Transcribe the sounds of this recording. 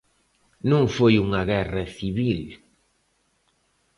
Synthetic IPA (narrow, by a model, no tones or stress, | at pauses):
nũŋfojuŋaɣɛrɐθiβil